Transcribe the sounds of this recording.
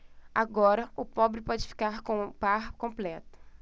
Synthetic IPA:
a̰ɡɔɾɐʊpɔbɾɪpɔd͡ʒɪfi̥kaɾkõpaɾkõplɛt̪ʊ̥

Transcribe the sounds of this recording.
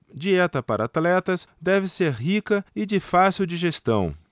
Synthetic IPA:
d͡ʒiɛt̪ɐpaɾɐat̪lɛt̪ɐsd̪ɛvɪseɾɦikɐɪd͡ʒɪfasiwd͡ʒiʒest̪ɐ̃w̃

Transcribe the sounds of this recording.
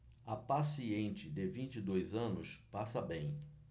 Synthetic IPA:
ɐpasiẽnt͡ʃɪd̪ɪvĩnt͡ʃid̪ojzɐ̃nʊspasɐbẽj̃

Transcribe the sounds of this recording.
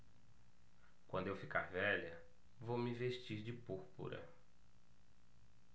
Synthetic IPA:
kwɐ̃nd̪ʊewfikaɾvɛʎɐ | vowmɪveʃt͡ʃiɾd͡ʒɪpuɾpṵɾɐ̰

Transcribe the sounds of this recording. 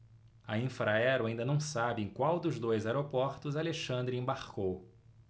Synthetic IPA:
ɐĩfɾaɛɾʊaĩnd̪ɐnɐ̃w̃sabɪẽj̃kwawd̪ʊzd̪ojzaɛɾopɔɾt̪ʊzaleʃɐ̃nd̪ɾɪẽbaɾkow

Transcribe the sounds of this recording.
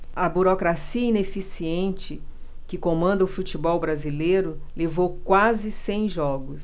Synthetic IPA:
ɐbuɾokɾasiɐĩnefisiẽnt͡ʃɪ | kɪkõmɐ̃nd̪ɐʊfut͡ʃibɔwbɾazilejɾʊlevowkwazɪsẽj̃ʒɔɡʊs

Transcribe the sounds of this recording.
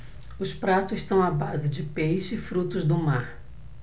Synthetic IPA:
ʊspɾat̪ʊzɪʃt̪ɐ̃w̃abazɪd͡ʒɪpejʃɪɪfɾut̪ʊzd̪ʊmaɾ

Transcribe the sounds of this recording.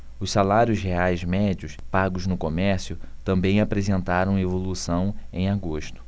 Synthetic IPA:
ʊsalaɾjʊsɦeajzmɛd͡ʒiʊspaɡʊznʊkomɛɾsjʊt̪ɐ̃mbẽj̃apɾezẽnt̪aɾɐ̃w̃evolusɐ̃w̃ẽj̃aɡoʃt̪ʊ̥

